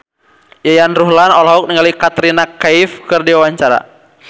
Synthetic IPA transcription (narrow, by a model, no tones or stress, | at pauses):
jajanruɦlanɔlɔɦɔk̚niŋalikat̪ɾinakaifkɨrdiwawaɲt͡ʃaɾa̰